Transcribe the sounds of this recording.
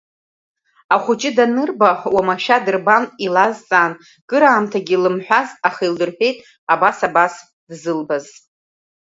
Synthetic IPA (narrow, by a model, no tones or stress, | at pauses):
aχʷʊt͡ʃʼɪdanɨrbaħwamaʃadɨrbamilazt͡sʼaːn | ɡ̥ɨɾaːmtʰaɡʲilɨmħᶣʷazaχijldɨrħʷᶣe̞jtʼ | abasabas | dzɨlbaz